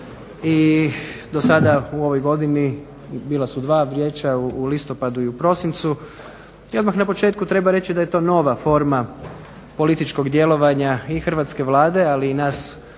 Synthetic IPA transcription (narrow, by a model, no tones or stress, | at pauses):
i | d̪o̞sad̪auo̞ʋo̞jɡo̞d̪ini | biːlˠasud̪ʋaːʋɾjeːt͡ʃauːlist̪o̞pad̪uiupɾo̞sint̪su | io̞d̪maxnapo̞t͡ʃe̞ːt̪kut̪ɾe̞baɾe̞t͡ɕid̪ajet̪o̞ːno̞ʋafo̞ɾma | po̞lit̪it͡ʃko̞ɡd̪je̞lo̞ʋaɲaixr̩ʋat̪ske̞ʋlˠaːd̪e̞aliːnaːs